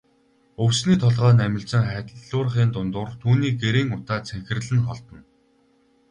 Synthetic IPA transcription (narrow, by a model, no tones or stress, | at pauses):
ɵwsniːt̪ʰɔɮʁœːnæmʲɪ̆ɬt͡sə̆ŋχæːt̪ə̆ɮɮʊːr̆χiːnt̪ʊnt̪ʊːrt̪ʰuːniːɡeɾeːŋʊt̪aːt͡sʰæxʲɪ̆rɮɘ̆nχɔɮt̪ɞ̆n